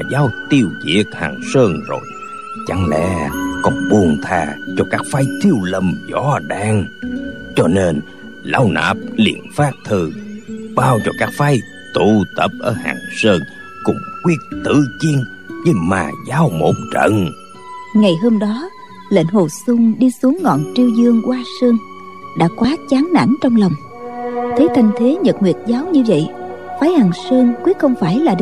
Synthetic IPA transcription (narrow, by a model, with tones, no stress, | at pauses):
a˨˩zaː˨˧˦wt̪i˧əwzḭ˧˥ək̚ha̰ː˨˩ŋsəː˧ŋzo̰˨˩j | t͡ɕa˧˩ŋlɛ̰˧˥kɔ˧˨˩nɓu˨˩ənt̪ʰaː˨˩t͡ɕɔ˧kaː˦˥k̚faː˧jt̪ʰi˧əwlə˨˩mzɔ˧˩ɗaː˧˩ŋt͡ɕɔ˧ne˧n | la˧wnə̰ː˧˩p̚lḭ˧˨ənfaː˦˥p̚t̪ʰɨ˨˩ɓaː˧wzɔ˧˩kaː˦˥k̚fa˧˥j | t̪u˧˨t̪ə˨˩p̚ʔəː˧˩ha̰ː˨˩ŋsəː˧ŋ | kʊ̰˧˥ŋ͡mkwi˦˥ət̚t̪ɨ̰˧˨t͡ɕi˧ən | ɲɨ˧ma̰ː˨˩zaː˨˦wmo̰˧˥ŋ͡m̚t͡ɕə̰˧˨ŋ | ŋa˨˩jɦəː˧mɗɔ˨˦ | lḛ˧˥nɦo˨˩sʊ˧ŋ͡mɗi˧su˨˦əŋːɔ̰˧˨nt͡ɕi˧əwzɨ˧əŋkwaː˧səː˧ŋ | ɗa̰ː˧˥kwaː˨˦t͡ɕaː˨˦nna̰˧˩nt͡ɕɔ˧wŋ͡mlə˨˩wŋ͡m | t̪ʰe˨˦t̪ʰa˧jŋ̟t̪ʰe˨˦ɲə˨˩t̚ŋwḭ˨˩ət̚zaː˨˦wɲɨ˧və̰˧˨jfaː˨˦jhaː˨˩ŋsəː˧ŋkwi˦˥ətkxə˧wŋ͡mfaː˧˩jlaː˨˩ɗ